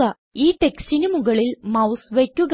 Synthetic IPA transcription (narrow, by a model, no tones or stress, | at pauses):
ɐ | iːʈeksʈinumuɣɐɭilmɐwsʋekʲːuɣ